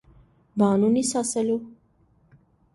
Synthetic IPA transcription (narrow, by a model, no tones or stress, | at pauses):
baːnunisasəlu